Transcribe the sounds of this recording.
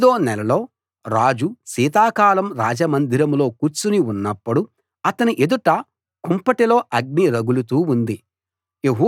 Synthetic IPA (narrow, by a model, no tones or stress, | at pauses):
d̪o̞ːnɛlɐlo̞ː | ɾaːd͡ʒusiːt̪̬aːkaːlɐmɾaːd͡ʒɐmɐnd̪ʱiɾɐmlo̞ːkuɾt͡ʃuniunːɐpːuɽu | ɐt̪ɐniʔe̞d̪uʈɐ | kumpɐʈilo̞ːʔɐɡ̚niɾɐɡulut̪uːund̪i | eɦuː